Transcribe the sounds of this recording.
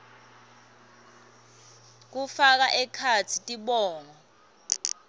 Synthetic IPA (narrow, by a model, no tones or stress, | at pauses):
k̬ufak̬aʔɛkʰat͡sʰitʼiɓɔːŋɔ